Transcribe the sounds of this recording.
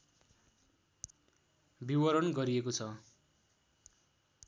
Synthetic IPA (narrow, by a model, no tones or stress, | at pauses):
biwʌɾʌnɡʌɾiekot͡sʰʌ